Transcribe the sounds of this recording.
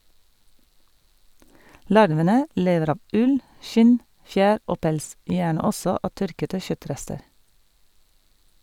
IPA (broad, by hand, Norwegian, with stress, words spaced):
ˈlɑɾʋənə ˈleːʋəɾ ˈɑːʋ ˈʉl ˈʃɪn ˈfjæːɾ ˈoː ˈpɛls ˈjæːɳə ˈɔsɔ ˈɑː ˈtœɾkətə ˈçœˌtɾɛstəɾ